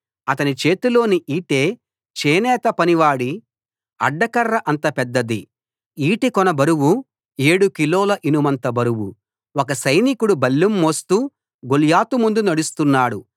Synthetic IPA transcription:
ɐt̪ɐnit͡ʃe̞ːt̪ulo̞ːniʔiːʈe̞ː | t͡ʃeːnɛːt̪ɐpɐniʋaːɽi | ɐ̰ɖːɐkɐrːɐʔɐnt̪ɐpɛd̪ːɐd̪i | iːʈikɔnɐbɐɾuwu | e̞ːɽukiloːlɐʔinumɐnt̪ɐbɐɾuwu | ɔkɐsɐjnikuɽubɐlːumːoːst̪uː | ɡoljaːt̪umund̪unɐɽust̪unːaːɽu

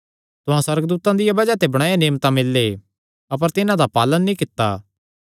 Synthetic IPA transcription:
t̪ʊɦãswɐɾɡd̪uːt̪ãd̪ɪjabɐd͡ʒat̪ebɐɽ̃aːjaneːmt̪ãmɪlːe | ɐp̬əɾt̪ɪnãd̪apaːlənːĩkɪt̪ːaː

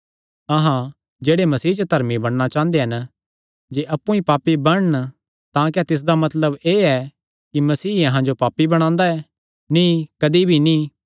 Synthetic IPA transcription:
ɐɦã | d͡ʒeːɽemɐsiːt͡ʃət̪ʰɐɾmibɐɽ̃nat͡ʃãːnd̪eɦɐn | d͡ʒeʔɐpːũĩpaːpːibɐɽn | t̪ãːk̬ɛt̪ɪs̬d̪amɐt̪ləbeːɛ | kimɐsiːɐ̃ɦãd͡ʒopaːpːibɐɽ̃ãːnd̪aɛ | nĩkɐd̪ibʱinĩː

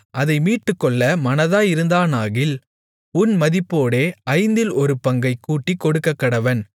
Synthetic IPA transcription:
ʔɐðɐɪmiːʈːɯkːɔɭːɐmɐnɐðaːjɪɾɯnd̪aːnaːɣɪl | ʊnmɐðɪpːoːɽeːɐɪnd̪ɪlɔɾɯpɐŋɡɐɪkuːʈːikːɔɽɯkːɐkːɐɽɐʋɐn

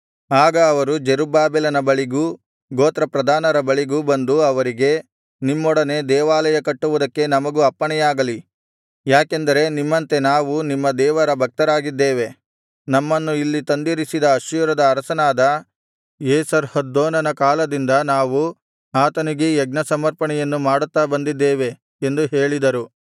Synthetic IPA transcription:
aːɡɐːʋɐɾud͡ʒeɾubaːbɛlɐnɐbɐɭiɡu | ɡoːt̪ɾɐpɾɐd̪ʱaːnɐɾɐbɐɭiɡubɐnd̪uɐʋɐɾiɡe̞ | nimːɔɽɐne̞d̪ɛːʋaːlɐjɐkɐʈːuʋud̪ɐkːe̞nɐmɐɡuɐpːɐɳɛjaːɡɐli | jaːkend̪ɐɾe̞nimːɐnt̪e̞naːʋunimːɐd̪ɛːʋɐɾɐbʱɐk̚t̪ɐɾaːɡid̪ːeːʋe̞ | nɐmːɐnːuilːit̪ɐnd̪iɾisid̪ɐːʃjuɾɐd̪ɐːɾɐsɐnaːd̪ɐ | eːsɐɾhɐd̪ːoːnɐnɐkaːlɐd̪ind̪ɐnaːʋu | aːt̪ɐniɡeːɡ̚nɐsɐmɐɾpɐɳɛjɐnːumaːɽut̪ːabɐnd̪id̪ːeːʋe̞ | end̪uɦeːɭid̪ɐɾu

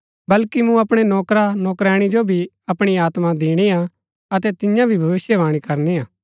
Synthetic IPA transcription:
bɐlkimũɐpɽ̃enɔːkɾanɔːkɾɛːɽ̃id͡ʒobʱi | ɐpɽ̃iaːt̪mãd̪iːɽ̃ia | ɐt̪ɛt̪ɪjãbʱibʱɐʋɪsjɛʋaːɽ̃ikɐɾniaː

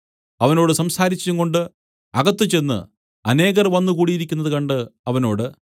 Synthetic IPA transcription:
ɐʋɐno̞ːɽɨsɐmsaːɾit͡ɕːuŋko̞ɳɖɨ | ɐɣɐt̪ːɨt͡ɕe̞nːɨ̰ | ɐne̞ːɣɐrʋɐnːukuːɽijiɾikʲːunːɐðɨkɐɳɖɨɐʋɐno̞ːɽɨ

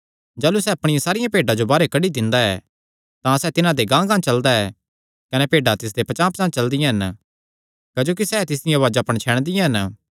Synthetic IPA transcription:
d͡ʒaːlusɛːɐpɽ̃ɪjãsaːɾɪjãpeːɖad͡ʒobaːɾekɐɖid̪ɪ̃nd̪aɛ̰ː | t̪ãsɛːt̪ɪnãd̪eɡãːɡãːt͡ʃɐld̪aɛ | kɐnepeːɖat̪ɪs̬d̪epɐt͡ʃãːpsãːt͡ʃɐld̪ɪjãɦɐn | kad͡ʒoːkisɛt̪ɪs̬d̪ɪjãʋaːd͡ʒaːpə̃ɽ̃t͡ʃʰɛːɽ̃d̪ɪjãɦɐn

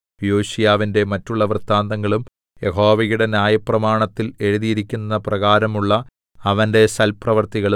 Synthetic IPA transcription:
joːɕijaːʋinde̞mɐtːuɭːɐʋrt̪ːaːnd̪ɐŋːɐɭum | jeɦo̞ːʋɐjuɽe̞njaːjɐprɐmaːɳɐt̪ːile̞ɻuðijiɾikʲːunːɐprɐɣaːɾɐmuɭːɐ | ɐʋɐnde̞sɐlprɐʋɐrt̪iɣɐɭ

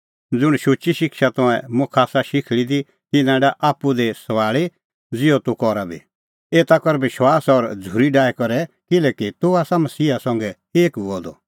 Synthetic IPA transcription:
d͡zʊɽ̃ʃʊt͡ʃiʃɪkʃat̪ɔ̃ɛ̃mʊ̃kʰaːsaʃɪkʰɭid̪i | t̪ɪnãɖaʔaːpːud̪ɛsɐʋaːɭi | d͡zɪjɔt̪ukɔɾabʱḭ | eːt̪akɔɾʋɪʃwaːsɔɾd͡zʱuɾiɖaːɛkɔɾɛkɪlɛːkit̪uaːsamɐsiːasɐ̃ŋɡɛ | eːkuɔd̪ɔ

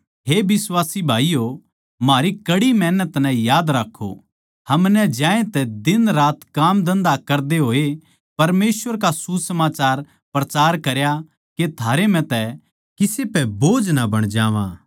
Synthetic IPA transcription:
ɦeːbɪswaːsibʱaːijo | maːɾikɐɽimɛːnət̪nɛ̃jaːd̪ɾakʰːo̰ | hɐmnɛd͡ʒjãːẽt̪ɛd̪ɪnɾaːt̪kaːmd̪ɐ̃nd̪akɐɾd̪eɦoːe | pɐɾmeːsʋəɾkasusɐmaːt͡ʃaːɾ | pɾɐt͡ʃaːɾkɐɾja | ket̪ʰaːɾem̤ɛ̃t̪ɛ | kɪsepɛboːd͡ʒnabɐɽ̃d͡ʒaːʋã̰ː

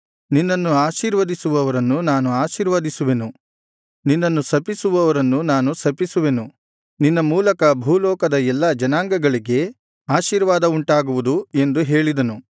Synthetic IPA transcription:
ninːɐnːuaːʃiːɾʋɐd̪isuʋɐʋɐɾɐnːunaːnuaːʃiːɾʋɐd̪isuʋe̞nu | ninːɐnːusɐpisuʋɐʋɐɾɐnːunaːnusɐpisuʋe̞nu | ninːɐmuːlɐkɐbʱuːlɔːkɐd̪ɐɛlːɐd͡ʒɐnaːŋɡɐɡɐɭiɡe̞ | aːʃiːɾʋaːd̪ɐuɳʈaːɡuʋud̪ue̞nd̪uɦe̞ːɭid̪ɐnu

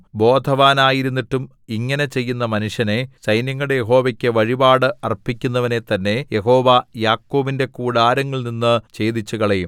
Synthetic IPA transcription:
bo̞ːd̪ʱɐʋaːnaːjiɾunːiʈːum | iŋːɐne̞t͡ɕe̞jːunːɐmɐnuʂjɐne̞t͡ɕɐjnjɐŋːɐɽejeɦo̞ːʋɐkʲːɨʋɐɻibaːɽɨɐrpːikʲːunːɐʋɐne̞t̪ɐnːe̞je̞ɦo̞ːʋɐjaːkːo̞ːʋinde̞kuːɽaːɾɐŋːɐɭninːɨt͡ɕe̞ːd̪it͡ɕːuɣɐɭejum

